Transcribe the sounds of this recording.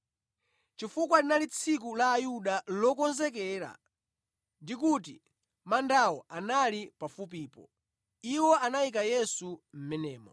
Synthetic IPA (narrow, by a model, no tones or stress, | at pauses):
t͡ʃifukwalinalit͡sʰik̬ulaːjuɗalɔkɔnzɛkɛːɾa̰ | ndikut̬i | mandawɔʔanalipafup̬iːpɔ̰ | iwɔʔanaik̬ajɛsum̩mɛnɛːmɔ̰